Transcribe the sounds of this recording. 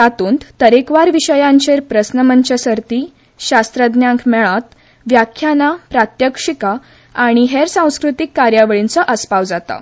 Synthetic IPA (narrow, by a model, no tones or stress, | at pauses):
t̪at̪uːnt̪t̪əɾekʋaɾʋiɕəjãɲt͡ɕeɾpɾəsnəmənt͡ɕəsəɾt̪i | ɕast̪ɾəd̪njãŋkʰmɛɭat̪ | ʋjakʰjanapɾat̪jəkʂika | aɽ̃iɦeɾsãw̃skɾut̪ikːaɾjaʋəɭint͡səʔəspawd͡zat̪a̰